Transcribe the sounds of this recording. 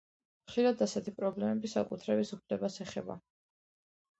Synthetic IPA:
mχʃiɾad̪asɛt̪ʰipʼɾɔblɛmɛbisa̰kʼut̪ʰɾɛbisupʰlɛbasɛχɛ̰ba̰

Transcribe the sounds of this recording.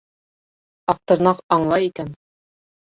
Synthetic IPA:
ɑq̚t̪ɤ̆ɾnɑqɑɴlˠɑjikæn

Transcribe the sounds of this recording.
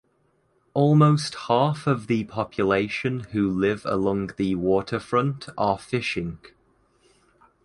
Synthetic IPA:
ɔːlˠmoʊsthɑˑfəvðəpʰɒpʰjəleɪʃə̃nhʉːlɪvə̰lɒ̃ŋðəwɔˑtʰəfɹʌ̃ntʰəfɪʃɪ̃ŋ

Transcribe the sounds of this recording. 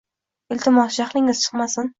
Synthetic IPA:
ɪlt̪ʰɪmɒsʃaχlˠɪŋɪz̥t͡ʃʰɨ̥qmasɪn

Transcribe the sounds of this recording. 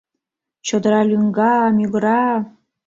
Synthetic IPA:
t͡ɕod̪əɾɑlʲyŋɡɑmyɡəɾɑ

